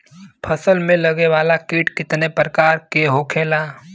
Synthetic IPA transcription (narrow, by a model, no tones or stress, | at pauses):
pʰəsəlmẽləɡeʋaːlakiːʈkɪt̪nepɾəkaːɾkeɦoːkʰeːlaː